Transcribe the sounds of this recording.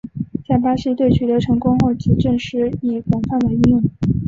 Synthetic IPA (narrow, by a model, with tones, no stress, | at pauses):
t͡ɕja˥˩pa˥ʂi˥˧t̪we˥˩ɪt͡ɕʰy˨˩t̪ɤ˧˥ʈ͡ʂʰɤ˧˥ŋkʊ˥ŋxo˥˩t͡ɕʰi˧˥ʈ͡ʂɤ˥˩ŋʂɻ̩˧˥i˨˩kwɑ˨˩ŋfa˥˩nd̪ə˩i˥˧jʊ˥˩ŋ